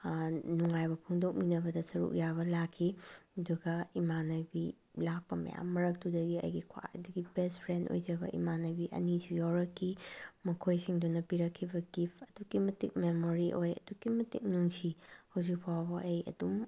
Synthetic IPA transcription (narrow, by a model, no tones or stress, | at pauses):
nuŋajbɐpʰɔŋdok̚minɐbɐdɐsɐɾṵk̚jaβɐlakʰːiɐduɡɐimanɐbi | lak̚pɐmɐ̰ja̰mːɐɾɐk̚tudɐɡiɐ̰jɡikʰwa̰ʔa̰duɡibestpʰɾendo̰jd͡ʒɐbɐ̰ʔḭmanɐbiʔɐ̰nisujawɾɐkʰːimɐkʰojsiŋdunɐpiɾɐkʰːibɐɡipʰɐduɡimɐtik̚memoɾiʔojɐ̰duɡimɐtḭk̚nuŋsihɐwzikpʰawbɐɐjɐ̰dum